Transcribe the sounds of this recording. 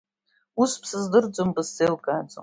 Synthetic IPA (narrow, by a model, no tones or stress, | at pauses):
uspʰsɨzdɨrd͡zombʼɨsːelkʼaːd͡zo̰